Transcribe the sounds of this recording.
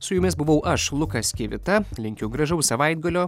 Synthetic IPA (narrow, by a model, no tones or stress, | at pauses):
sʊjʊmʲɪsbʊʋɐʊʔɐʃlˠʊkɐskʲeʋʲɪt̪ɐlʲɪŋʲkʲɛʊɡɾɐʒɐʊsɐʋɐɪd̪̚ɡɐlʲoː